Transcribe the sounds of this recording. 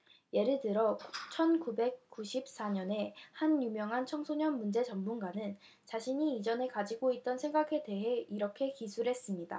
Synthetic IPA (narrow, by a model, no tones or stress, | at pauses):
je̞ɾɯɭtɯɾʌt͡ɕʰʌnkube̞k̚k͈uɕʰip̚s͈aɲʌne̞hanjumjʌŋɦant͡ɕʰʌŋsʰoɲʌnmund͡ʑe̞t͡ɕʌmmunɡanɯn | t͡ɕaɕʰiɲiːd͡ʑʌne̞kad͡ʑiɡoit̚t͈ʌnsʰe̞ŋɡakʰe̞de̞ɦe̞iɾʌkʰe̞kisʰuɾɦe̞s͈ɯmɲida̰